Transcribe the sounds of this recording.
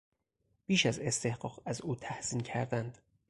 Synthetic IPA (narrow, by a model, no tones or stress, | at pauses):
b̥iːʃæze̞st̪e̞hɢɒːɣæzuːt̪ʰæhz̥iːncʰæɾd̪ænd̪̥